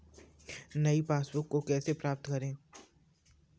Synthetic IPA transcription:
nɐipaːsbʊkːokɛːsepɾaːp̚t̪kɐɾẽː

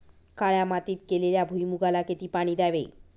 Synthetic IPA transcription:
kaɽeamat̪it̪̚keleɾabʱujmuɡalaket̪ipaɽ̃id̪ɛbḛj

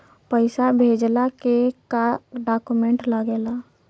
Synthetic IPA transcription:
pəɪsabʱed͡ʒlakekaɖaːkumẽɳʈləɡeːla

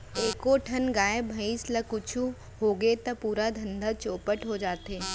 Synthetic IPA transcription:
eːkoʈʰɐnɡaːebʱɐislɐkʊt͡ʃʰu | ɦoːɡet̪ɐpuːɾad̪ʱɐ̃nd̪ʱat͡ʃoːpəʈɦod͡ʒaːt̪eː

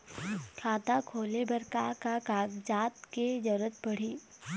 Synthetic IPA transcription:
kʰaːt̪akʰoːlebɐɾkakakaːɡd͡ʒaːt̪ked͡ʒɐɾət̪̚bɐɽ̤iː

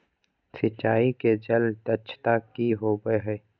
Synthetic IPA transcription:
sɪt͡ʃːaːiked͡ʒɐlʈɐt͡ʃʰt̪akːiɦoːbəɦɛː

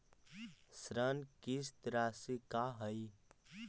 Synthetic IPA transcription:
sɾənkist̪ɾaːsikaɦəj

